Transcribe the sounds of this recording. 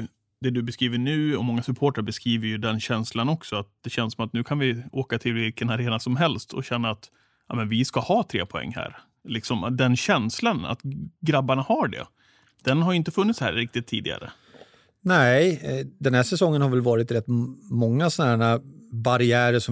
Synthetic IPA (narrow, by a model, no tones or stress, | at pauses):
d̪ɛd̪ɵbɛskɾiːvəɳʉ̟ːɔmɔŋːasɵpʰoːʈaɾbɛskɾiːvəɾjɵd̪ɛnɕɛnslanɔksɔat̪̚d̪̥ɛɕɛnsɔmat̪nʉ̟ːkʰanvɪoːkat̪ʰɪlvɪlkənaɾeːnasɔmɦɛlst̪ʰɔ̰ɕɛnːaːt̪ | jʔɑ̰ːmɛnvɪskahɑːt̪ʰɾḛːpʰɔɛ̰ŋːhæ̰ːɾ | lɪksɔmd̪ɛnɕɛnslana̰t̪ɡɾabːaɳahaɖɛ̰ | d̪̥ɛnɦaɾjɵɪnt̪əfɵnːɪt̪shæ̰ːɾɾːɪk̚t̪ɪt̪ʰːiːd̪ɪɡa̰ɾə̰ | nɛ | d̪ɛnhæːsɛsɔŋːənhaɾvɛlvɑːɾɪt̪ɾɛt̪ːmɔŋːasɔnæːɾabaɾɪæːɾəʂɔ